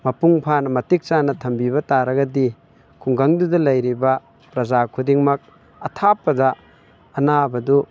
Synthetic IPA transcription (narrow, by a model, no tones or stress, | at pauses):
mɐpuŋpʰanɐmɐtik̚t͡ʃanɐtʰɐmbibɐtaɾɐɡɐdi | kʰuŋɡaŋdudɐlɐjɾibɐ | pɾɐzakʰudiŋmɐk̚ | ɐtʰapːɐdɐ | ɐnabɐdu